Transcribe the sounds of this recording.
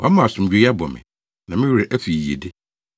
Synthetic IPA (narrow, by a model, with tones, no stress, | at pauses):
wa˨˦mã˦˨a˨sʊ̃˨m̩˨d͡ʑᶣe˨˦ja˦bɔ˨mɪ̰̃˨ | nã˨mɪ̃˦wɾɪ˨ʔæ˦fi˨i˨ḛ˨de˦